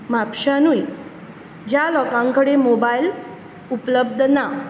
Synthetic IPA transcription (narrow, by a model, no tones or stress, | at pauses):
mapɕanui | d͡ʑjalɔkãŋkəɽemobail | upləb̚d̪ʱna